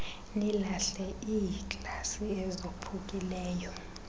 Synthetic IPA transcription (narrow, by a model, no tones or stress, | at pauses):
nilaɬɛʔijkʼasiɛzopʰukʼilɛːjɔ